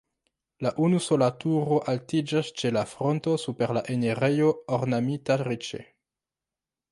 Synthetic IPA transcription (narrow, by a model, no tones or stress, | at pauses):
laʔunuso̞latuɾo̞ʔaltid͡ʒast͡ʃe̞lafɾo̞nto̞supe̞ɾlaʔe̞neɾejo̞oɾnamitaɾit͡ʃḛ